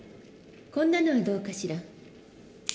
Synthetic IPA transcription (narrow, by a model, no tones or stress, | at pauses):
kõ̞nːano̞βad̪o̞ːkaɕiɾa